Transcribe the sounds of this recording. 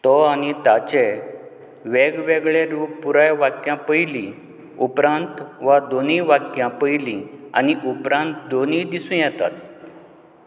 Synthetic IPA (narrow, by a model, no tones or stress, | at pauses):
t̪ɔañit̪at͡ɕe | ʋeɡʋeɡɭeɾuːppːuɾajʋakjãpəjlĩ | upɾãnt̪ʋad̪oniːʋakjãpəjlĩa̰niʔupɾãnt̪d̪oniːd̪isũːjɛt̪a̰t̪